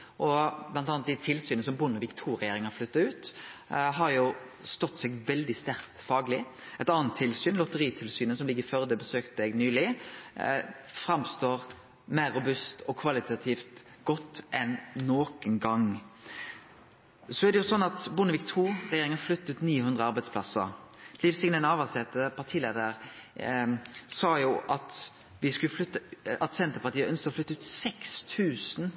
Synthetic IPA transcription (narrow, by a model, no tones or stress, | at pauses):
ʔɔblɑnt̪ɑːnd̪æt̪ʰɪlsyːnəsɔmbʊnəʋiːkt̪ʰuːɾʁɛjeːɾɪŋɑɾflʏt̪ːɑəɾʉːt̪ | ɦɑɾjʊ | st̪ɔt̪ːsɛɡʋɛld̪ɪst̪æɾkt̪fɑːɡlɪ | ɛt̪ɑːnənt̪ʰːɪlsyːnlɔt̪əɾiːt̪ʰɪlsyːnəsɔmlɪɡːəɾføʁd̪ɛbəsøːkt̪əɛɡnyːlɪ | fɾɑmst̪oːʁ | mæɪɾːʊbʉst̪ɔkʰʋɑlɪt̪ɑt̪ʰiːft̪ | ɡ̥ɔt̪ːʔɛnnoːkənɡɑŋ | sɔæʁd̪ɛjʊsɔnːɑt̪bʊnəʋɪkt̪ʰuːɾɛjeːɾɪŋənflʏt̪ːəʉːt̪niːəhʉnd̪ʁəɑʁbæɪd̪spʰlɑsə̰ɾlifsɪŋnənɑːʋɑsɛt̪ːəpʰɑʁt̪ʰiːleːd̪əʁ | sɑːjuʔɑt̪ | ʋɪskʉəflʏt̪ːəɑt̪sɛnt̪əɾpɑɾt̪iːəʔœnskəɔflʏt̪ːʉːt̪sɛkst̪ʰʉːsn